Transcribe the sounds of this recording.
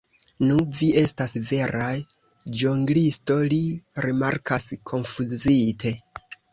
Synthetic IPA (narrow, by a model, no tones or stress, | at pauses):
nuviʔe̞stasve̞ɾaj | d͡ʒoŋɡlisto̞liɾimaɾkʰaskʰo̞nfuzitʰe̞